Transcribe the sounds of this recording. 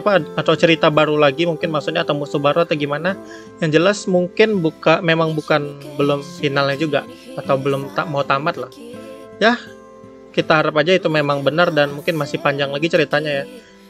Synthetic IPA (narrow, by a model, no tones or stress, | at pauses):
apaːt̪awt͡ʃəɾit̪abaɾulaɡimuŋkɪnmaksut̪̚ɲat̪awmustuhbaɾuat̪aɡimana | jaŋd͡ʒəlasmuŋkɪnbukamemaŋbukanbəlʊmfinalɲad͡ʒuɡa | at̪awbəlʊmt̪amawt̪amat̪̚lah | ja | kit̪aɦaɾapad͡ʒait̪umemaŋbənardanmuŋkɪnmasɪhpaɲd͡ʒaŋlaɡit͡ʃəɾit̪aɲaja